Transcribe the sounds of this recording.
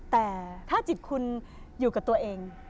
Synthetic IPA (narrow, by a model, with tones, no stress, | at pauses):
t̪ɛː˨˩t̪ʰaː˥˩t͡ɕi˨˩t̪̚kʰu˧n | juː˨˩ka˨˩t̪u˧ɐʔeː˧ŋ